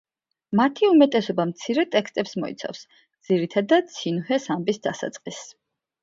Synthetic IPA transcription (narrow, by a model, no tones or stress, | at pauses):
mat̪ʰiumɛt̪ʼɛsɔbamt̪sʰiɾɛt̪ʼɛkst̪ʼɛpsmɔḭt̪sʰa̰fs | d̪z̥iɾit̪ʰad̪at̪sʰinhɛsambisd̪asa̰t̪sʼqʼis